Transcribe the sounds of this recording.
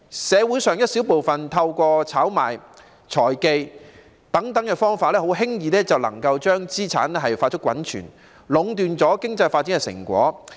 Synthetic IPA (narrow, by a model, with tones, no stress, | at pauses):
sɛː˨˧wu˨˥jsœː˨˩ŋjɐ˥t̚siː˨˥wpo˨wfɐ˨nt̪ʰɐ˧wkʷɔː˧t͡sʰaː˨˥wma̰ː˨˩j | t͡sʰɔː˨˩jke˧j | t̪ɐ˨˥ŋt̪ɐ˨˥ŋkɛ˧fɔː˥ŋfaː˧t̚lɛː˥ɦo˨˥wɦɪ˥ŋjiː˧lɛː˥t͡sɐ˨wlɐ̰˨˩ŋkɐ˧wt͡ʃœː˥ŋt͡siː˥t͡sʰa̰ː˨˥nɛ˥ɦɐ˨jfaː˧tt͡ʃʰkʷːwɐ̰˨˥nt͡ʃʰy̰ː˨˩n | lʊ˨˧˥ŋt̪yː˨nt͡sɔː˨˥kɪ˥ŋt͡sɐ˧jfaː˧t̚t͡si˨˥ŋkɛ˧sɪ̰˨˩ŋkʷɔ̰ː˨˥